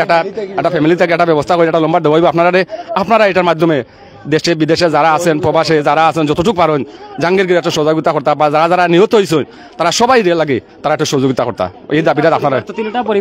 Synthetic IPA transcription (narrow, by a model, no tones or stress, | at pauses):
ɛk̚ʈaɛk̚ʈapʰɛmilit̪ʰakeɛk̚ʈabɛbɔst̪ʰakoɾiɛkʈalɔmbad̪ewaɦɔjbɔapnaɾaɾeapnaɾaejʈaɾmad̪ʱːɔme | d̪eʃebid̪eʃed͡zaɾaasʰenpɾɔbaʃed͡zaɾaasʰend͡ʑɔt̪oʈuk̚paɾoɲd͡ʑaŋɡeɾɡiɾɛʈoʃɔzaɡit̪akɔɾt̪abad͡zaɾad͡zaɾaniɦot̪oɦojs̬on | t̪aɾaʃɔbajɾelaɡi | t̪aɾaɛʈoʃod͡ʑoɡit̪akɔɾt̪a̰ | ejd̪abiʈaapnaɾat̪apo